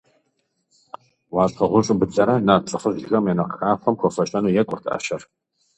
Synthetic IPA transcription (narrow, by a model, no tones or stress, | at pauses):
waːɕʰɐʁʷʊɕʼʊbɨd͡zɐɾanaːrt͡sʼɨχəzɪxɐmjɛnɐqxaːfʷɐmxʷɔfɐʃɐnuːjɛkʷʼʊrtʰa̰ːʃɐr